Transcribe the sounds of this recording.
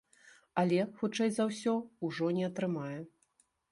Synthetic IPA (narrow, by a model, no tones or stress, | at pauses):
ɐlʲɛxut͡ʂɛjzɐwsʲɔuʐɔnʲɛɐt̪ɾɨmajɛ